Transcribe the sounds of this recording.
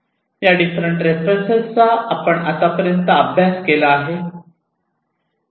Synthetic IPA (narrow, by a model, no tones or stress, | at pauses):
jaɖifɾəɳʈɾefɾənsət͡saapəɳat̪apəɾjənt̪əːbʱjaskelaːɦe